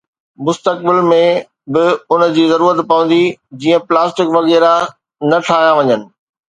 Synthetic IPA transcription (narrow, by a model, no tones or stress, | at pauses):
mʊst̪ək̚bɪlmẽ | bɪʊnəd͡ʑiːzɐɾuːɾət̪pɐʋə̃nd̪id͡ʑiːə̃plaːsʈɪkʋɐɣɛːɾa | nɐʈʰaːɦijãʋɐɲənɪ̆